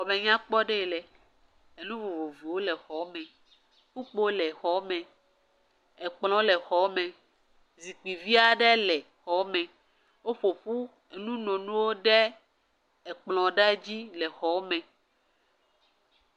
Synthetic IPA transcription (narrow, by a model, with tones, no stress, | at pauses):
xɔ˨mẽ˨ɲã˦k͡pɔ˦ɖɛ˦˨lɛ˨ | e˨nũ˦vo˨vo˨vi˨wo˦lɛ˨xɔ˨˦mɛ̃˨ | ku˦k͡po˦lɛ˨xɔ˨˦mɛ̃˨ | e˨k͡plɔ̃˦lɛ˨xɔ˨˦mɛ̃˨ | zi˨k͡pi˨vi˦a˦˨ɖɛ˦lɛ˨ | xɔ˨˦mɛ̃˨ | wo˦ɸo˨ɸu˦ | e˨nũ˦nɔ̃˨nũ˦wo˦ɖɛ˦ | ɛ˨k͡plɔ̃˨ɖa˦d͡ʑi˦lɛ˨xɔ˨˦mɛ̃˨